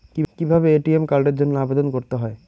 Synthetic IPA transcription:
kikibʱabeeʈiemkaɾɖeɾd͡ʑonːoabed̪onkoɾt̪eɦɔe

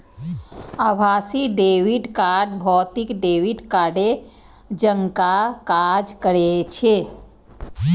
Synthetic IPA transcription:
abʱasiɖewiɖkaɖbʱɔːt̪ikɖewiɖkaɾɖe | d͡ʒəŋkakad͡ʒkəɾet͡ʃʰe

